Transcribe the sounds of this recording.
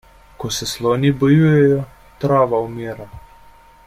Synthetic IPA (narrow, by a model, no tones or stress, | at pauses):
kɔsɛslɔːnibɔjuːjɛjɔ | t̪ɾaːʋaumiːɾa